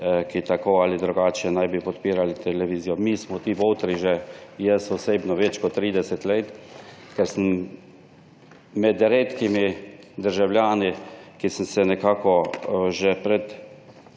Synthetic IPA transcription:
kit̪akoalid̪ɾuɡaːt͡ʃjɛnajbipɔt̪piːɾalit̪ʰɛlɛʋiːzijɔmiːsmɔt̪iːʋowt̪ɾiʒɛjɛsɔseːbnɔʋɛt͡ʃkɔt̪ːɾiːd̪ɛsɛt̪let̪kɛɾsəm | mɛd̪ɾeːt̪kimi | d̪əɾʒawlʲjaːnikisənsɛnɛkaːkɔʒɛpɾɛt̪

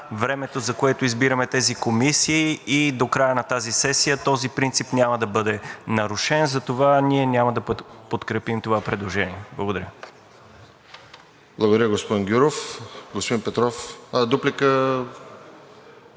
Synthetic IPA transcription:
vɾɛmɛt̪ozɐkoɛt̪oizbiɾɐmɛt̪ɛzikomisiːid̪okɾajənɐt̪azisɛsijət̪ɔzipɾint̪sipnʲaməd̪ɐbɤd̪ɛnɐɾʊʃɛnzɐt̪ovaniɛnʲamɐd̪ɐpot̪kɾɛpimt̪ovapɾɛd̪lˠoʒɛniɛblˠɐɡod̪ɐɾʲə | blˠɐɡod̪ɐɾjəɡospod̪inɡʲuɾofɡospod̪inpɛt̪ɾɔfd̪uplikə

